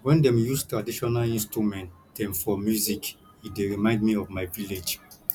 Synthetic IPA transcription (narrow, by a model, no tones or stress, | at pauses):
wɛ̃ndɛ̃mjustɹadiʃɔnalĩnstɹumɛ̃nt | d̥ɛ̃mfɔmjuzik | ideɹimãɪ̃ndmiɔvmaɪviled͡ʒ